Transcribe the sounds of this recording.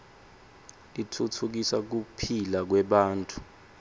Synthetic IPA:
litʰutʰuk̬isak̬upʰilak̬wɛɓaːntʼu̥

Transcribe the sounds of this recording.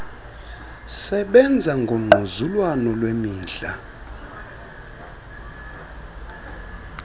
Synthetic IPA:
sɛɓɛnd͡zʱaŋɡʱom̩ŋ͡ǃʱuzulwanɔlwemiːnɮa̰

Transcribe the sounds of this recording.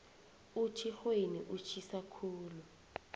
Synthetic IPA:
ut͡ʃʰixweniʔut͡ʃʰisakʰuːlu

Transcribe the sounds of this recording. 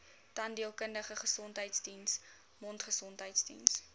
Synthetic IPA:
tɐndiəlˠkəndəχəχəsɔntɦəjtsdins | mɔntχəsɔntɦəjtsdḭns

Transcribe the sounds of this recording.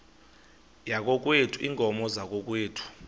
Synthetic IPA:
jak̬ɔk̬wetʰuiːŋʱʼɔmɔzak̬ɔk̬weːtʰu̥

